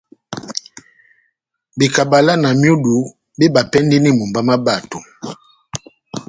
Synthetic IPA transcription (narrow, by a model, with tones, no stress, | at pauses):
bi˨ka˨ba˨la˦na˨mju˦du˨ | be˦ba˨pɛ˦ndi˦ni˦mu˨mba˦ma˦ba˨to˨